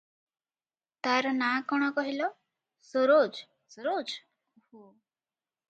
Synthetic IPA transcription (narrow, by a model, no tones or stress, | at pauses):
t̪aɾɔnakɔɽ̃ɔkɔɦilɔ | soɾod͡ʒ | soɾod͡ʒ | uhu